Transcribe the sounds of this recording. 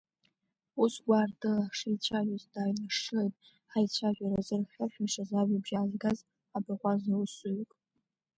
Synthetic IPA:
usɡʷaːrdɨlaʂait͡ʃʷʰaʒʷʼazdaːjnaʂɨejtʼ | ħajt͡ʃʷʰaʒʷᶣʼaɾazɨrχʲaħᶣajʂazaʒabʒaːzɡaz | abaʁʷazawʊsɨɥkʼ

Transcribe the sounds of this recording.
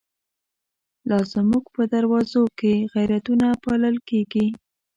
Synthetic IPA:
lɑzmuɡpəd̪aɾwɑzokeɣajɾat̪unapɑləlkeɡi

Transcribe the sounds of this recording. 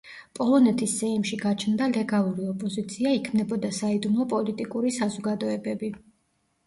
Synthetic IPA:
pʼɔlˠɔnɛt̪ʰisːɛimʃiɡat͡ʃʰnd̪alɛɡalˠuɾiɔpʼɔzit̪sʰiaikʰmnɛbɔd̪asaid̪umlˠɔpʼɔlit̪ʼikʼuɾisazɔɡad̪ɔɛbɛbi

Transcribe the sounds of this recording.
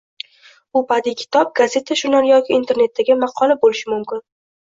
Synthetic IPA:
ʊpʰad̪ikʲʰɪ̥t̪ʰɒp̚ɡaze̞t̪ʰaʃʊnaɾjɒkʲɪːnt̪ʰe̞ɾne̞t̪ːaɡʲɪmɑqʰɒlˠabolɪʃɪmʊmkʲɪn

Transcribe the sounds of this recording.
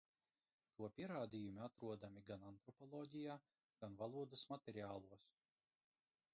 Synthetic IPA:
t̪uɔpʲiɛɾaːd̪ʲijumʲiat̪ɾuɔd̪amʲiɡanant̪ɾɔpɔlˠɔːɟʲijaː | ɡ̥anvalˠuɔd̪ɐsmat̪ʲɛɾʲiaːlˠuɔs

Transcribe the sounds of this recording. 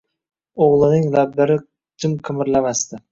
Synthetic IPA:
oʁlˠɪnɪŋlabd̪aɾɪ | t͡ʃʰɪmqʰɪmɪɾlamast̪ɪ

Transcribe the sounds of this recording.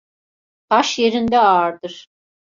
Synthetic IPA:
t̪ʰaʃje̞ɾind̪ɛaɾd̪ɯɾ̥

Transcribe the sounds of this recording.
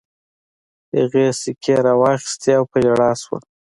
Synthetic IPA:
haɣesɪkʰeɾɑwɑxɪ̥st̪eawpad͡ʒaɽɑswa̰

